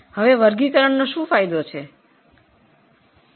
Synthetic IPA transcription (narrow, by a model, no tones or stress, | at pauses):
həʋeʋəɾɡikəɾəɳnoʃũfajd̪ot͡ʃʰe